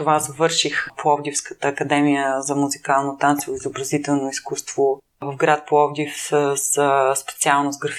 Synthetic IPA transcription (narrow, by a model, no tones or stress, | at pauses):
t̪ovazəvɤɾʃixpoɔvd̪ʲifskə̥t̪əːkɐd̪ɛmijəzɐmuzikalˠnot̪ant̪sivoizobɾɐzit̪ɛlˠnoiskust̪vo | vəvɡɾat̪̚poɔvd̪ifsəsspɛ̥t̪sialˠnozɡɾɐf